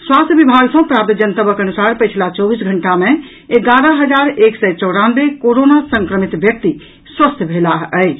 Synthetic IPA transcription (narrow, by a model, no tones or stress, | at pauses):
swast̪ʰjəbibʱaɡsə̃pɾap̚t̪d͡ʒənt̪əbəkənusaɾpət͡ʃʰlat͡ʃɔbisɡʱəɳʈamẽ | eɡaɾəɦəd͡ʒaɾeksɛt͡ʃɔʊɽanbekoɾonasəŋkɾəmit̪ʋjək̚t̪i | swəst̪ʰbʱelaɦəjt͡ʃʰ